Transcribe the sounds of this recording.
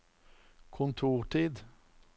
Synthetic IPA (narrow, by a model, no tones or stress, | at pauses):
kʰʊnt̪ʰuːʁʈʰiːd̪